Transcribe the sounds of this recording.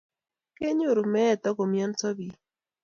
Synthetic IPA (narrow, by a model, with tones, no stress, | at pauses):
ke˦ɲʊ˦˨ɾu˨mɛ˦˨t̪ɔ˦ko˨mjɔ˦nsɔ˦bi˨